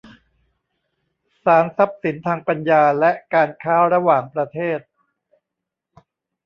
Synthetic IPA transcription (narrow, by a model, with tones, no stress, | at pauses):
saː˩˦nsa˦˥p̚si˩˦nt̪ʰaː˧ŋpa˧njaː˧lɛ˦˥ʔkaː˧nkʰaː˦˥ɾa˧waː˨˩ŋpɾa˧t̪ʰeː˥˩t̪̚